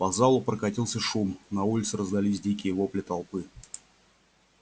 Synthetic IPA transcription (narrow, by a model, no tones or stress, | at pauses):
pɐzalˠʊpɾəkɐtʲilˠsʲəʂumnɐulʲɪt̪sɨɾəzd̪ɐlʲisʲdʲikʲɪjəvoplʲɪt̪ɐlˠpɨ